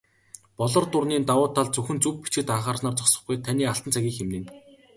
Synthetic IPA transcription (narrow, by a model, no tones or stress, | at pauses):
pɔɮɞ̆rt̪ʊrniːnt̪awʊːt̪ʰːaɮt͡sɵxɘ̆nt͡sɵp̚pːi̥t͡ɕɡɘ̆t̪aɴχaːrsnɔːrt͡sɔsɞ̆χɡujt̪ʰaniːaɬt̪ə̆nt͡sʰæɣʲiːxemnɘ̆ːn